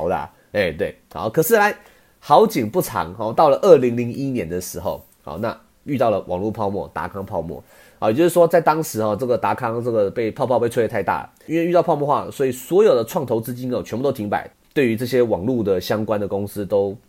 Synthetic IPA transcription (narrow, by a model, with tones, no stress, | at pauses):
ʊd̪ə̰˧ | e˥˩ɪt̪we˥˩ɪɑ̰˥˧˩kʰɤ˨˩ʂɻ̩˥˩la˧˥ɪ | xɑ˧˥ʊt͡ɕi˨˩ŋpu˥˩ʈ͡ʂʰɑ̰˧˥ŋxɔ˧t̪ɑ˥˩ʊlə˩ʔə˥˩li˧˥ŋli˧˥ŋi˥njɛ˧˥nd̪ə˨ʂɻ̩˧˥xo˥˧ʊ | xɔ̰˨˩na̰˥˧ | y˥˧t̪ɑ˥˩ʊlə˩wʔɑ̰˨˩ŋlu˥˧˩pʰɑ˥˧ʊmwɔ̰˥˩t̪a̰˧˥kʰɑ˥ŋpʰɑ˥˧ʊmwɔ̰˥˩ | hɑ˨˩jt͡ɕo˥˧ʊʂɻ̩˥˩ʂwɔ˥t͡sa˥˩ɪt̪ɑ˥ŋʂɻ̩˧˥xɔ˥˧ʈ͡ʂɤ˥˩ɡə˩t̪a˧˥kʰɑ˥ŋʈ͡ʂɤ˥˩ɡə˩pe˥˧ɪpʰɑ˥˧ʊpʰɑ˥˧pe˥˧ɪʈ͡ʂʰu˥˧˥t̪ʰa˥˧ɪt̪a̰˥˩ | i˥nwe˥˧y˥˧ɑ˥˧ʊpʰmwɔ˥˧˥xwa˥˩swɔ˧˥i˨˩swɔ˧˥jo˨˩ʊd̪ə˩ʈ͡ʂʰwɑ˥˩ŋt̪ʰo˧˥ʊt͡sɹ̩˥t͡ɕi˥nɔ˨t͡ɕʰnpt̪o˥t̪ʰi˧˥ŋpa̰˨˩ɪ | t̪we˥˩ɪy˧˥ʈ͡ʂɤ˥˩ɕjɛ˥wɑ˨˩ŋlu˥˩d̪ə˩ɕjɑ˥ŋkwa˥˦nd̪ə˨kʊ˥ŋs̩˥t̪o˥ʊ